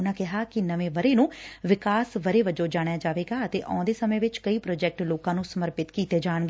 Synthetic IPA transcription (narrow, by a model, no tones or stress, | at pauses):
ʊnãːkɪɦaːkɪnəʋẽːʋəɾeːnũːʋɪkaːsʋəɾeːʋəd͡ʒõːd͡ʒaːɽ̃jaːd͡ʒaːʋeːɡaːət̪ḛːʔɔ̰̃ːd̪eːsəmẽːʋɪt͡ʃkəiːpɾɔːd͡ʒɛːk̚ʈloːkãːnũːsəməɾpɪt̪kiːt̪eːd͡ʒaːɳɡeː